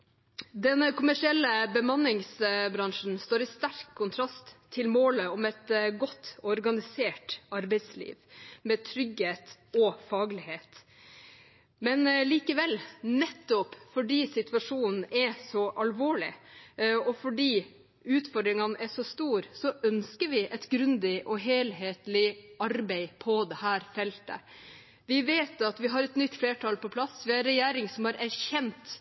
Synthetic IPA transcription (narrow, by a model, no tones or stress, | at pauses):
d̪ɛnkʰʊmæʂɪɛlːəbəmɑnɪŋsbɾɑŋʂn̩st̪oːɾɪst̪æɾkʰːʊnt̪ʰɾɑst̪ʰːɪlmoːləɔmɛt̪ɡɔt̪ːɔɾɡɑnɪseːʈɑɾbɛɪslḭːʋmɛːt̪ʰɾʏɡheːt̪ɔfɑːɡlɪheːt̪ | mɛnliːkəʋɛlnɛt̪ːɔpfɔɖiːsɪt̪ʋɑʂuːnn̩ɛsɔʔɑlʋoːɭɪ̰ | ɔfɔɖiː | ʉːt̪fɔɾɖ̪ɾɪŋɑnʔɛʂɔst̪uːɾsɔʔœnskəɾʋɪʔɛt̪ɡɾʉnd̪ɪʔɔɦeːlɦeːt̪lɪʔɑɾbɛɪpʰɔd̪ɛhæːɾfɛlt̪ə̰ | ʋɪʋeːt̪ɑt̪ʋɪɦɑɾɛt̪nʏt̪ːfleːʈʰɑlpɔpʰlɑsːʋɪɑɾɾɛjæːɾɪŋsɔmhɑɾʔæɾçɛnt̪